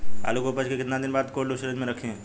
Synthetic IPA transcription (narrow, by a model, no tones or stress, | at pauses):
a̰ːlukoːpəd͡ʒkekɪt̪nãd̪ɪnbaːd̪koːɽluʃəɾed͡ʒmẽɾɐkʰẽ